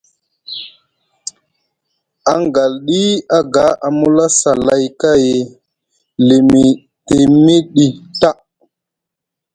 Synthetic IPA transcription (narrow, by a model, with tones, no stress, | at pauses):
a˨ŋɡa˨lɗi˦a˦ɡa˨˦ʔa˨mu˦la˦sa˨la˦jka˦je˨ | li˨mi˨ | te˨mi˦ɗi˨ta˦ʔ